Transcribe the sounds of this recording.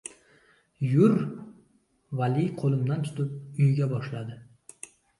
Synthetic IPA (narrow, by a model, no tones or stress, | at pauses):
jʊɾ | valɪjqʰolˠɪmd̪ant̪ʰʊ̥t̪ʰʊp̚ʊjɡʲabɒʃlad̪ɪ